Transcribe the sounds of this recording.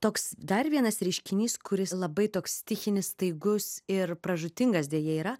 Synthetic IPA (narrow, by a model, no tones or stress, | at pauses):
t̪oːksd̪ɐrʋʲiɛnɐsɾʲɛɪʃʲkʲɪnʲiːskʊɾʲɪslˠɐbɐɪt̪oːkst̪ʲɪxʲɪnʲɪsst̪ɐɪɡʊsɪrpɾɐʒʊt̪ʲɪŋɡɐsd̪ʲeɛjɛiːɾɐ